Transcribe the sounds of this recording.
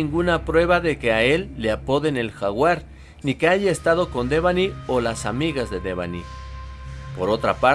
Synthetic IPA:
iŋɡunapɾwe̞βaðeke̞ae̞lːeapo̞ðe̞ne̞lxaɣwaɾ | nike̞aʝaest̪að̞o̞ko̞nd̪e̞βanio̞lasamiɣazðe̞ðe̞βa̰ni | po̞ɾo̞t̪ɾapa

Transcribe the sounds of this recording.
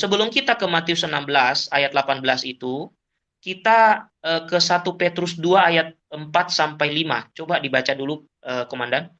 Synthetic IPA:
səbəlʊmkit̪akəmat̪iʊsənambəlasajat̪̚lapanbəlasit̪u | kit̪aəkəsat̪upet̪ɾʊsduaːjat̪̚əmpat̪̚sampajlima̰t͡ʃobadibat͡ʃadulu | ʔəkomandan

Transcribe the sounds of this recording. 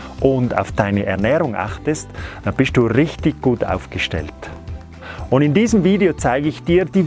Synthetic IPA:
ʔʊnda̰ʊfd̥aɪnəʔɛʁnɛːʁʊŋʔa̰χtəstd̥aːb̥ɪst̚d̥uːʁɪçtɪçɡ̥uːta̰ʊfɡ̥əʃtɛ̰lt | ʊndɪndiːzəmviːdeot͡saɪɡəɪçd̥iːɾd̥iː

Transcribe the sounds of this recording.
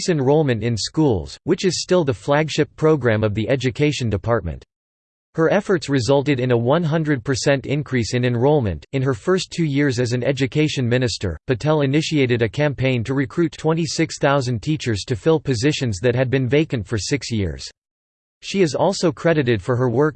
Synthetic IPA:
sɨ̃nɹoʊlˠmɨ̃ntɨ̃nskulˠz̥wɨt͡ʃɨz̥stɪlˠðəflæɡʃɪpʰɹ̥oʊɡɹæ̃mʌvðiʔɛd͡ʒɨkʰeɪʃɨ̃n̩dɨpʰɑɹt̚mɨ̰̃nt̚ | hə˞ɛfə˞tsɹɨzʌlˠtɨɾɨ̃nəwʌ̃nɦʌ̃ndɹɨd̚pʰə˞sɛ̃ntɪ̰̃nkʰɹ̥isɨ̃nɨ̃nɹoʊlˠmɨ̰̃ntɨ̃nə˞fɜ˞stʰʉjɪɹzɨzɨ̃nɛ̰d͡ʒɨkʰeɪʃɨ̃nmɪ̃nɨstə̰˞pɨtʰɛlˠɨnɪʃieɪɾɨɾɨkʰæ̃mpʰẽɪ̃ntʰɨɹɨkʰɹ̥ʉtʰw̥ɛ̃ñisɪksθaʊzɨ̃n̩tʰit͡ʃə˞z̥tʰɨfɪlˠpɨzɪʃɨ̃nzðɨt̚ɦɨd̚bɨ̃nveɪkɨ̃ntfə˞sɪksjɪ̰ɹz̥ | ʃiɨzɔlˠsoʊkʰɹ̥ɛɾɨɾɨd̥fə˞ə˞wɜ˞k

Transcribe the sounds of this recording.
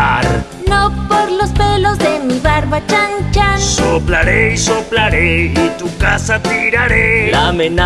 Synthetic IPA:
ɾ | nopoɾlo̞spe̞lo̞zðe̞miβaɾβat͡ʃant͡ʃasoplaɾeisoplaɾeit̪ukasat̪iɾaɾelamẽna

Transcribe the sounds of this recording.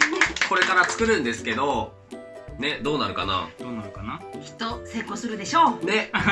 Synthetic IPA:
ko̞ɾe̞kaɾat͡sɨ̥kɯ̟ɾɯ̟̃nd̪e̞sɨ̥ke̞d̪o̞ | ne̞d̪o̞ːnaɾɯ̟kana̰d̪oːnaɾɯ̟kanakʲi̥t̪ːose̞ːkosɨɾɯ̟d̪eɕo̞ːne̞

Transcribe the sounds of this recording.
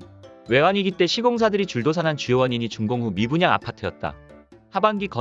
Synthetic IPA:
we̞waŋiɡit͈e̞ɕʰiɡoŋs̬ʰadɯɾit͡ɕuɭdos̬ʰanɦant͡ɕujowʌɲiɲit͡ɕuŋɡoŋɦumibuɲaŋa̰pʰatʰɯjʌ̰t̚t͈a̰ | habaŋɡikʌ

